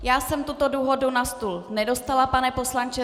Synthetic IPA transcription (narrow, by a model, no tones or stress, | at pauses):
jaːsɛmt̪ut̪o̞duːɦodunast̪ulnɛdo̞st̪alapanɛpo̞slant͡ʃɛ